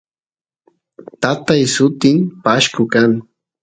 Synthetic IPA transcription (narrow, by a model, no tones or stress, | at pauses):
t̪at̪ajsʊt̪ɪmpaʃkʊkaŋ